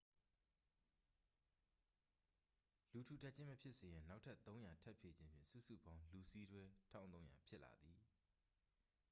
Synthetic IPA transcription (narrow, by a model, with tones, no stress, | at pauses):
lu˨tʰu˨tʰa˦ʔt͡ɕʰɪ̃˦məpʰjɪ˦ʔse˨jɪ̃˨na˦ʊtʰa˦ʔt̪õ˦ʊ̃ja˨tʰɛ˦ʔpʰje˨d͡ʑɪ̃˦mpʰjɪ̰̃˦˨sṵ˦˨sṵ˦˨bã˦ʊ̃lu˨si˦dwɛ˦tʰã̰˦˨t̪õ˦ʊ̃ja̰˨pʰjɪ˦ʔla̰˨d̪ði˨